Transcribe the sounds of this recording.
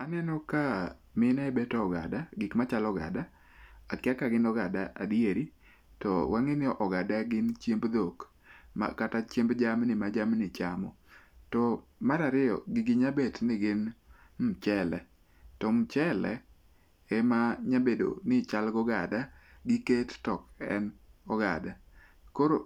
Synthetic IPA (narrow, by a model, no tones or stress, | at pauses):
anɛnɔka | mɪnaɛbɛtɔːɡa̰daɡɪkmat͡ʃalɔɡa̰da | akɪakaɡɪnɔɡadaʔa̰dieɾi | tɔ̰waŋɪnɪɔʔɔɡadaɡɪnt͡ʃjembd̪ok | ma̰katat͡ʃjembd͡ʒamnɪmad͡ʒamnɪt͡ʃamɔ | tɔ | maɾaɾɪjɔ̰ɡɪɡɪɲabetnɪɡɪn | m̩t͡ʃɛlɛ | tɔmt͡ʃɛlɛ̰ | emaɲabedo̰nɪt͡ʃalɡɔɡadaɡɪkettɔkɛ̰nɔɡa̰da | koɾo